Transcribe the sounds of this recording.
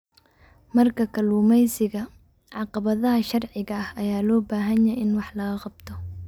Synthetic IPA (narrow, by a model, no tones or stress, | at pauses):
mɐrkʰɐkʰɐluːmɛjsɪɣɐ | ʕɑqɑβɐðɐɦɐʃɑrʕɪɣɐːhɐjaːlɔːbaːɦɐnjɐʔɪnwɑħlɐɣɐqɑbt̪ʰɔ